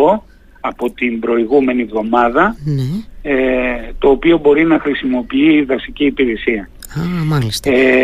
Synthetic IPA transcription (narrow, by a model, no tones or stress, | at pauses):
o̞ | ɐpo̞t̪imbɾo̞iɣume̞nivðo̞mɐðɐnet̪o̞ːpio̞bo̞ɾinɐxɾisimo̞piiːðɐsiciːpiɾe̞siɐ | ɐmɐlist̪e